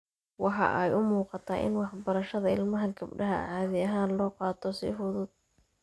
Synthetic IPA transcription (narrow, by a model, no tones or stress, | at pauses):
wɑħɑ̰ʔɛjʊmuːqɑt̪ʰaːʔɪ̰nwɑħbɐɾɐʃɐðɐɪlmɐɦɐɡɐbɖɐɦɐ̰ʕɑːðɪɐɦaːnlɔːqɑːt̪ʰɔsɪ̰fʊðʊd̪̚